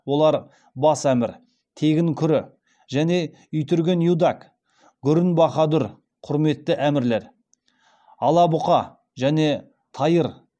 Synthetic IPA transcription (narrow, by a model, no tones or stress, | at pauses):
wo̞lˠɑɾ | bɑsæmɪɾ | t̪ʰe̞ɡʲɪŋkʲʰʏɾɪ | ʒæne̞ | ʏjt̪ʏɾɡʲe̞njud̪ɑk | ɡʲʏɾɪnbɑχɑd̪ʊɾ | qʰʊɾme̞t̪ːɪʔæmɪɾle̞ɾ | ɑlˠɑbʊqɑ | ʒæne̞ | t̪ʰɑjəɾ